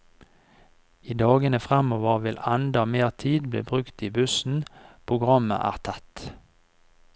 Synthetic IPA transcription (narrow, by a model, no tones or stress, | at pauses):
iːd̪ɑːɡənəfʁɑmoːʋəʁʋɪlɑnd̪ɑmeːʁt̪ʰiːd̪blḛːbʁʉkt̪iːbʉsn̩pʰʁʊɡʁɑmə̰ʔæ̰ːʁt̪ʰɑt̪